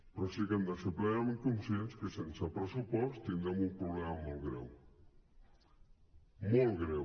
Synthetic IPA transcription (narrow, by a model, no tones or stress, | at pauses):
pɾɔsikand̪aseplɛnamẽŋkunsjenskesensapɾesupɔst̪ind̪ɾɛmumpɾuβlɛmamɔlˠɣɾɛ̰w | mɔlˠɣɾɛw